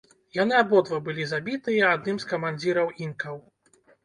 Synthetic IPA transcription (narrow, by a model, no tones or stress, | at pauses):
janɨabɔd̪vɐbɨlʲizabʲit̪ɨjɛad̪̚nɨmskɐmanʲd͡zʲiɾɐwinkɐw